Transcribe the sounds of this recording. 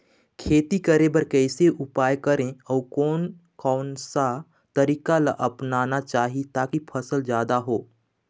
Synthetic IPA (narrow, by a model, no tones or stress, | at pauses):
kʰeːt̪ikəɾẽbəɾkɛːseʔʊpaːjkəɾẽɔːɾkɔːn | kɔːnsa | t̪ɐɾiːkalaʔɐpnaːnat͡ʃaːɦit̪aːkipʰɐsəld͡ʒjaːd̪aɦoː